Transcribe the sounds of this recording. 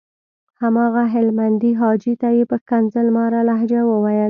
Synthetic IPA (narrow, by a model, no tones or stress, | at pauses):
hamɑɣaɦɪlmand̪iɦɑd͡ʒit̪ajepəkanzəlmɑɾalaɦd͡ʒawəwajəl